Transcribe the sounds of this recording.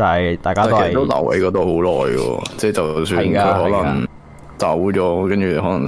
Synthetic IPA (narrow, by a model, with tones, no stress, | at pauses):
ɐ˨˩ɐ˨˩jt̪aː˨jkaː˥˨o˥˨ɐ˨˩t̪o˥lɐ̰˨˩wʔḛ˨˥jkɔː˨˥t̪o˨who˨˥wlɔː˨˩jɡɔ̰˧t͡sɛː˥˩t͡sɐ˨wsyː˧˨nkaːɵ˨˧jɦɔː˨˥lɐ˨˩ŋ | t͡saː˨wuː˨˥t͡ʃɔː˨˥kɐ˥nt͡ʃyː˨˩˧ɦɔː˨˥lɐ˨˩